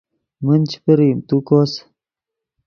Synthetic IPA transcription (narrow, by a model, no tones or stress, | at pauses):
mənt͡ʃi̥pəɾimt̪ukos